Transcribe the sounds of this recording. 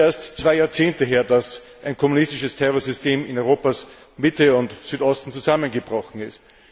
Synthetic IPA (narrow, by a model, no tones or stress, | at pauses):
eɐstt͡sv̥aɪjaːɐt͡seːntəɦeːɐdas | ʔaɪnkʰɔmunɪstɪʃəstʰɛʁɔɐzʏsteːmɪnɔʏʁoːpas | mɪtəʊntsyːtɔstn̩t͡suzamənɡəbʁɔxn̩ɪst